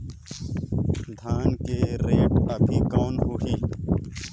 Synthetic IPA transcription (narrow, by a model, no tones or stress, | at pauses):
d̪ʱaːnkeɾeːʈɐpʰikoːnɦuɦi